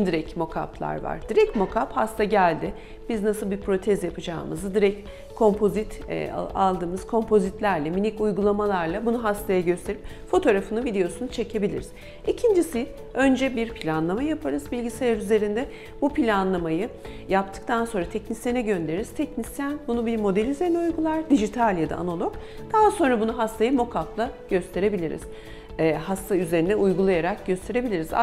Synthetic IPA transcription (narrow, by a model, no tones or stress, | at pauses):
d̪iɾɛcmo̞kʰa̰plˠa̰ɾva̰ɾd̪iɾɛcmo̞kʰaphast̪ʰaɟælʲd̪ɪ | b̥iznasɯlˠbipʰɾo̞t̪ʰɛzjapɯd͡ʒa̰ːɯmɯ̰zd̪iɾɛc | kʰːo̞mpʰo̞zit̪ːalˠd̪ɯːmɯz̥kʰo̞mpʰo̞zit̪lʲæɾlʲɛminicujɡulˠamalˠaɾlˠabunuɦast̪ʰajaɟø̞st̪ʰe̞ɾip̚ | fo̞t̪ʰo̞ɾafɯnɯvid̪e̞jo̞sunut͡ʃʰe̞cʰe̞bilʲḭɾiz̥ | icʰind͡ʒisɪ | ø̞nd͡ʒɛbiɾpʰilʲanlˠamajjapʰaɾɯzbilʲɟise̞lʲaɾyze̞ɾind̪ɛ | bupʰilʲanlˠamajɯ | jap̚t̪ʰɯ̥k̚t̪ʰanso̞ɾat̪ʰɛcnisenɛɟønd̪eɾiz̥t̪ʰɛcnisjænbunubiɾmo̞d̪elʲizenʲujɡulˠaɾd̪iʒit̪ʰalʲjad̪a̰a̰nolˠo̞k | d̪̥aɦaso̞nɾabunuɦast̪ʰajamo̞kʰaflˠaɟ̥ø̞st̪ʰe̞ɾe̞bilʲiɾḭz̥ | ɦast̪ʰayze̞ɾinɛujɡulˠajaɾak̚ɟøst̪ʰe̞ɾe̞bilʲiɾiza̰